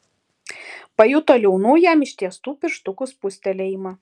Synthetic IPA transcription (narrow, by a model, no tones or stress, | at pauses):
pɐjut̪oːlʲɛʊnuːjæmɪʃʲt̪ʲiɛst̪uːpʲɪɾʃt̪ʊkʊspʊsʲt̪ʲɛlʲɛɪmɐ